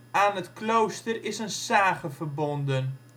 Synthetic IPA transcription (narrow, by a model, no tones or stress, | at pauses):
aːnətklowstərɪsənsaːχəvərbɔndən